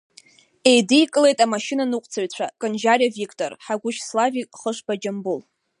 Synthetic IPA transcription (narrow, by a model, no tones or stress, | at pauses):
ejdijkʼɨle̞jtʼamaʃinanɨqʷʼt͡sʰaɥt͡ɕʷʰakʼɨnd͡ʒaravikʰʼtʼo̰rħaɡʷʊʃslavikʼχəʂbad͡ʒambul